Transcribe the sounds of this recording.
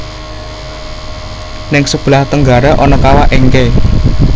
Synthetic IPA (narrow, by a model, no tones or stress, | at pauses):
nɪŋsəb̥laht̪əŋɡa̤ɾaʔɔnɔkawaʔeŋke